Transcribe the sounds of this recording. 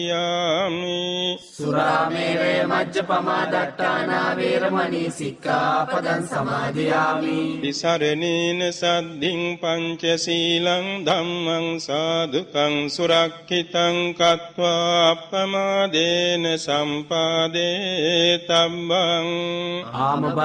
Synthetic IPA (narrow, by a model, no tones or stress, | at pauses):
jaːmisuɾaːmeːɾeːmɐdd͡ʒɐpɐmaːd̪ɐʈːaːnaːʋeːɾɐmɐnisikːaːɐpɐd̪ɐnsɐmaːd͡ʒ̪ɐjaːmiʋisɐɾɐniːnesɐd̪ʱːiŋpɐɲt͡ʃɐsiːlɐŋd̪ʱɐmːɐŋsaːd̪ʱut̪ɐŋsuɾɐkʃit̪ɐŋkɐt̪ʋaɐpːɐmaːd̪eːnesɐmpaːd̪eːt̪ɐbːɐŋaːmɐ